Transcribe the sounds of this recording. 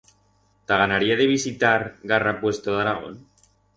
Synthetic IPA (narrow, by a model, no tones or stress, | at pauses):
t̪aɣanaɾiaðeβ̞isit̪aɾɣarapwest̪oðaɾaɣ̞o̰n